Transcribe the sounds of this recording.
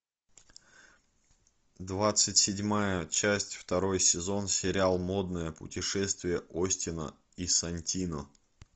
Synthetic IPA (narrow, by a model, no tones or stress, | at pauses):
d̪vat̪sɨtʲsʲɪdʲmajət͡ɕæsʲtʲft̪ɐɾo̞jsʲɪzo̞nsʲɪɾʲalˠmo̞d̪̚nəjəpʊ̰tʲɪʂɛst̪vʲɪjəʔosʲtʲɪnə̰ | isɐnʲtʲinə